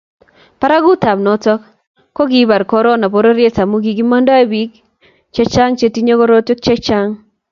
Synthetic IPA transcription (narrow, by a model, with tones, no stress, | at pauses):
pa˦ɾa˦ɡu˦ta˨bnɔ˨tɔ˦k | kːo˦ɡi˦ba˨ɾkɔ˦ɾɔ˦na˨po˦ɾo˦ɾje˦ta˨mo˦ɡi˨ɡi˦ma˦ndɔ˦e˦bi˨˦k | t͡ʃɛ˦t͡ʃa˦ŋt͡ʃe˦ti˦ɲo˦ko˦ɾo˦tjɔ˦k̚t͡ʃɛ˦t͡ʃa˦ŋ